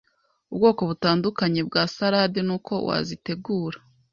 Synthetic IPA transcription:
ubɡo̞ːko̞βutaːndukaɲebɡaːsaɾaːdinuːkʰo̞̰wa̰zite̞ɡuːɾa

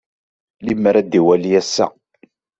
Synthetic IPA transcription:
limːɾæd̪iwælijæsːæ̰

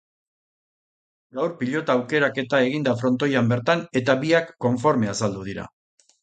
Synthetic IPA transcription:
ɡawɾpiʎo̞t̪aːwke̞ɾake̞t̪ae̞ɣ̞ind̪afɾo̞nt̪o̞jambe̞ɾt̪ane̞t̪aβiakːo̞ɱfo̞ɾme̞asald̪uð̞iɾa̰

